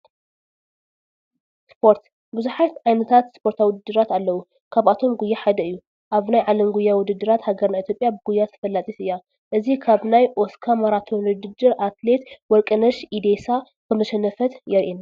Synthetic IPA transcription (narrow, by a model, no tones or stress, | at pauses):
spʰo̞ɾt̪ | bɨzuħat̪ʕajnɐt̪ʰat̪spʰo̞ɾt̪ʰawʊd̪ɨd̪ːɨɾat̪alːɐwu | kʰaβat̪ʰo̞mɡujːaħad̪ɐɨjːu | ʔaβnajʕalɐmɡujːawʊd̪ɨd̪ːɨɾat̪haɡɐɾnait̪ʰjopʼjabɨɡujːat̪ʰɐ̥fɐlːat͡s̪ʼit̪ɨjːa | ʔɨzikʰaβnajʔoskʰamaɾat̪ʰo̞nd̪ɨd̪ɨɾʔat̪le̞t̪wɔɾkʼɨnɐʃʔid̪esa | kʰɨmɐʃɛnɐfɐt̪jɛɾʔina